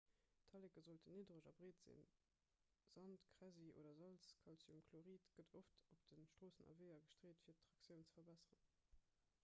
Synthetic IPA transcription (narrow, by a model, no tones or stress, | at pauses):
tʰɑlekəzoltʰəniːdʁəʒɑ̰bʁeːtz̥ḭn | z̥ɑntkʁæziʔo̰ːdɐzɑlskʰɑlsjumkʰloʁiːtɡ̥ədʰoftop̚d̥ənʃtʁ̥oːsənɑ̰vɜɪɐɡəʃtʁeːtfiːɐttʁɑksjəʊnt͡sə̥fɐbæsəʁə̰n